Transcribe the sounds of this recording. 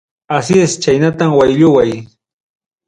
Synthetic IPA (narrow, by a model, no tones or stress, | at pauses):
asjest͡ʃajnat̪amwajʎʊwaj